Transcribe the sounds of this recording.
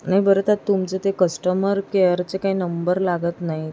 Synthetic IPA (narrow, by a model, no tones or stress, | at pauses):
naɦibəɾet̪əɾt̪umt͡set̪ekəsʈəməɾkeəɾt͡sekaɦiːnəmbəɾlaɡət̪naɦi